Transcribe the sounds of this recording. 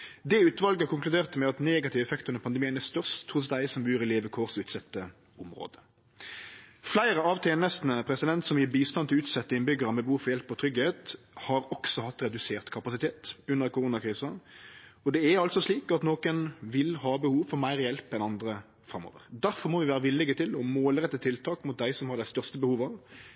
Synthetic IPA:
d̪ɛʉːt̪ʋɑlɡəkʊŋklʉd̪eːʁt̪mɛɑt̪neːɡɑt̪ʰɪʋɛfɛkt̪ənəpʰɑnd̪əmiːənæst̪œʁʂt̪ʰːɾʊs̬d̪æɪsɔmbʉːɾɪleːʋəkʰoːʁsʉːt̪sɛt̪ːə | ʊmɾo̰ːd̪ə̥ | flæɪɾəɑʋt̪ʰɛːnəst̪nəpʰɾɛsɪd̪ɛnt̪sɔmjiːbiːst̪ɑnt̪ɪlʉːt̪sɛt̪ːəɪnbʏɡəɾɑmɛbəhuːfɔɾjɛlpːɔt̪ʰɾʏɡəheːt̪ | hɑɾɔksɔhɑt̪ːɾɛd̪ʉseːʁt̪kʰɑpɑsɪt̪ʰeːt̪ʉnːəʁkʊʁuːnɑkʰɾiːsɑ | ɔd̪ɛæɑlt̪sɔsliːkɑt̪noːkənʋɪlɦɑːbəhuːʋfɔʁmæɪʁjɛlpɛnɑnd̪ɾə | fɾɑmo̰ːʋə̰ʁd̪æɾfɔɾʁmɔʋɪʋæːɾəʋɪlɪɡət̪ʰɪlɔmoːlɾɛt̪ːət̪ʰɪlt̪ʰɑːkmʊt̪̚d̪æɪsɔmhɑɾd̪æɪst̪œʁst̪əbəhuːʋɑʋ

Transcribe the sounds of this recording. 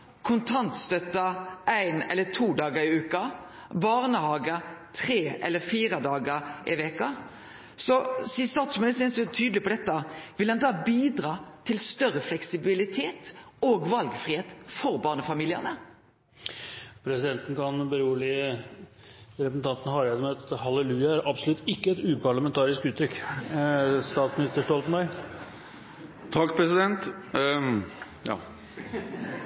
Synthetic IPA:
kʰʊnt̪ʰɑnt̪st̪œt̪ːɑʔæɪnɛlːət̪ʰuːd̪ɑːɡəɾɪʉːkɑbɑːʁnəhɑːɡət̪ʰʁeːʔɛlːəfiːɾɑd̪ɑːɡəʔɪʋɛkɑ | sɔsɪsɑːt̪smɪnɪsɪnsət̪ʰyːd̪l̩ɪpʰɔd̪ɛt̪ːɑʋɪlhɑnd̪ɑːbiːd̪ʁɑːt̪ʰɪlst̪œʁəflɛksɪbɪlɪt̪ʰeːt̪oːɡʋɑlɡfʁɪheːt̪fɔʁbɑːʁnəfɑmiːlɪə̰nə | pʰɾɛsɪd̪ɛnt̪n̩kɑnbəɾuːəlɪə | ɾɛpəsn̩t̪ʰɑnt̪ən̩hɑːɾæd̪ɔmɑt̪hɑləlʉːɑæɾʔɑbsɔlʉt̪ːɪkːəɛt̪ʉːpʰɑɭɑmɛnt̪ʰɑːɾɪskʉːt̪ʰːɾʏk | st̪ɑːt̪smɪnɪst̪əʂʈɔlt̪n̩bɑɪ | t̪ʰɑkːpʰɾɛsɪd̪ɛnt̪ | jɑ̰ː

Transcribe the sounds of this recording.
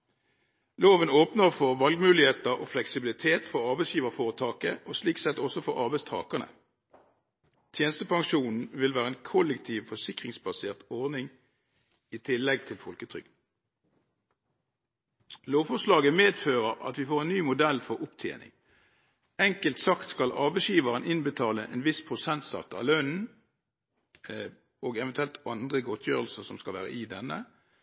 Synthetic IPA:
loːʋənoːpnəʁfɔʁʋɑlɡmʉːlɪheːt̪əʁo̰ːflɛksɪbɪlɪt̪ʰeːt̪fɔʁɑʁbɛɪsjiːʋəʁfoːʁət̪ʰɑːkəʔoːsliːksɛt̪ɔsɔfɔʁɑ̰ʁbɛɪst̪ʰɑ̰ːkənə̰ | t̪ʰjeːnəst̪əpɑŋʃuːnn̩ʋɪlʋæːʁəeːnkʰʊlɛkt̪ʰiːʋfɔsɪkʁɪŋsbɑseːʁt̪ɔʁnɪŋ | iːt̪ʰɪlːɛɡ̚t̪ʰɪlfɔlkət̪ʰʁʏ̰ɡ | loːʋfɔʁʂlɑːɡəmeːd̪føːʁəʁɑ̰t̪ʋɪfoːʁeːnnyːmʊd̪ɛlfɔʁʊpt̪ʰjḛːnɪ̰ŋ | ɛŋkəlt̪sɑkt̪skɑlʔɑːʋəʃiːʋɑʁənʔɪnbət̪ʰɑːləʔḛːnʋɪspʰʁʊsɛnt̪sɑ̰t̪ːɑ̰ːlœnn̩ | oːɡɛʋənt̪ʉɛlt̪ɑnd̪ʁəɡɔt̪ʰjø̰ːʁəlsəsɔmskɑlʋæ̰ːʁə̰ʔɪd̪ɛnːə

